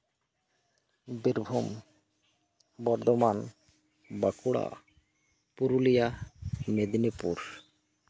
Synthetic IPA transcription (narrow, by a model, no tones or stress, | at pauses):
biɾbʱum | bɔɾd̪oman | bakuɽa̰ | puɾulijamed̪nipṵɾ